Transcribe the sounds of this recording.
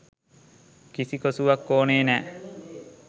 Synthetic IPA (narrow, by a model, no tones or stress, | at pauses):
kisikosuʋɐkːoːneːnæː